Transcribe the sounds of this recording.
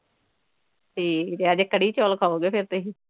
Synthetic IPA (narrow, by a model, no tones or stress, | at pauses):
ʈʰiːkd̪eaːd͡ʒekəɽiːt͡ʃoːlkʰaːoːɡeːpʰɪɾt̪eɦiː